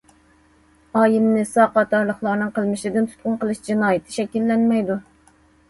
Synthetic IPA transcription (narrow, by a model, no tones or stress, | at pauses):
ɑːjimnɨsɑqɑt̪ʰɑɾlˠəχlˠɑɾnɨŋqʰəlˠmɪʃɪd̪ɪnt̪ʰu̥t̪̚qʊnqʰəlˠɨʃd͡ʒinɑːjɪt̪ʰɪ̥ʃɛkʲilːɛnmɛjd̪u